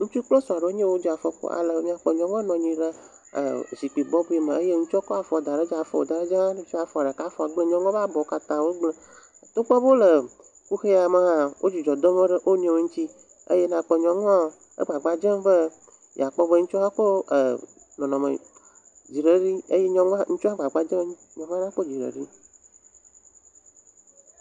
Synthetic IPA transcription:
ŋũ˦t͡ʃu˦k͡plo˦sɔ˨a˨ɖe˨o˦ɲẽ˦wo˦d͡ʒi˦a˨fə˦k͡po̰˦a̰˨lə˨˦ɲĩ˦ã˨k͡pɔ˨ɲɔ̃˨ŋɔ̃˦nɔ̃˨ɲĩ˨ɖə̰˦˨ | zi˨k͡pi˨bɔ˦bu˦i˨mə̃˨ə˦je˦ŋũ˦t͡ʃɔ˦kɔ˦a˨fɔ˨d̪a˨ɖə˦d͡ʒa˦a˨fɔ˦wo˨d̪a˨ɖe˦d͡ʒa˦a˦nũ˦t͡ʃɔ˦a˨fɔ˨a˨ɖə˨ka˦fɔ˨a˨ɡ͡bə˦ɲɔ̃˦ŋɔ̃˦ba˦bɔ˨˦ka˨t̪ã˦wo˦ɡ͡blə˦˨ | t̪o˦k͡pɔ˦bo˦lə˨ | ku˦xe˦a˨mə˨ɦã˦wʔo̰˦d͡ʑi˨d͡ʒɔ˨d̪ɔ˦mõ˦ɖə˦ʔo˦ɲ˦ẽ˨wo˨˦ŋ̩ũ˦t̪i˦ | ḛ˦je˦nã˨k͡pe˦ɲɔ̃˨ŋɔ̃˦ | ḛ˦ɡ͡ba˨ɡ͡ba˨d͡ʒe˦be˦ | j̰a˨k͡pɔ˦bə˦ŋ̩̃˦t͡ʃɔ˦ha˦k͡po˦˨ | nɔ̃˨nɔ̃˨mḛ̃˨ | d͡ʑi˨ɖe˨ɖi˦e˦je˦ɲɔ̃˦ŋ˦ŋ̩˦t͡ʃɔ˦a˦ɡ͡ba˨ɡ͡ba˨d͡ʒẽ˦ɲɔ̃˨ŋ˦ã˦nã˦k͡po˦d͡ʑi˨ɖḛ˨ɖi˦

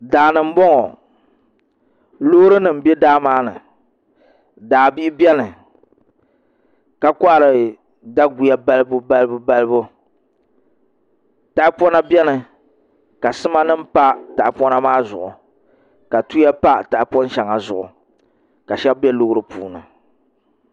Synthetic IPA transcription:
daː˨nɨ˨m̩˦bɔ˦ŋɔ˨ | lo˦ɾɨ˦nɨ˨m̩˨˦bɛ˦daː˦maː˦nɨ̰˨ | daː˨bi˦bɛ˦nɨ˨ | ka˦kɔ˦ʔa˨ɾɨ˨ | da˦ɡu˨ja˦ba˦lɨ˦bʊ˦ba˦lɨ˦bʊ˦ba˦lɨ˦bʊ˦ | ta˨ʔpɔ˦na˦bɛ˦nɨ˨ | ka˨sɨ˦ma˦nɨ˦m̩˦pa˦ta˨pɔ˦na˦maː˦zʊ˨ʔʊ˨ | ka˨tu˦ja˦pa˦ta˨ʔpɔ˦n˦ʃa˨ŋa˨zʊ˨ʔʊ̰˨ | ka˨ʃɛ˦bbɛ˦lʊ˦hɾɨ˦pṵː˨nɨ̰˨

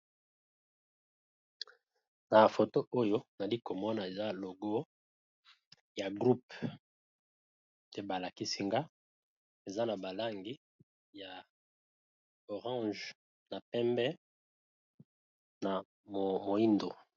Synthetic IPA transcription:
na˨fo˨to˦ʔo˦jo˦na˨li˦ko˨mɔ˦na˨e˨za˦lo˨ɡo˦ | ja˨ɡʁu˦p | tɛ˦ba˨la˨ki˦si˦ŋɡa˦ | e˨za˦na˨ba˨la˦ŋɡi˦ | ja˨ | o˨ʁɑ̃˦ʒ | na˨pɛ˦mbɛ˦ | na˨ | m˨mo˨i˦ndo˨

